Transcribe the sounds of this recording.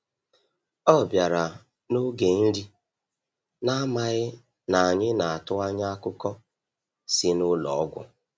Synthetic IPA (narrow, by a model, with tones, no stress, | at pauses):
ɔ˦˨bja˨ɾa˨ | no˦ɡe˨n̩˦ɾi˦ | na˦ma˨ɣɪ˦ | na˨a˨ɲɪ˦na˨a˨tʊ˦a˦ɲa˦kʊ˦kɔ˦ | si˦nʊ˦lɔ˨˦ɡʷʊ̰˦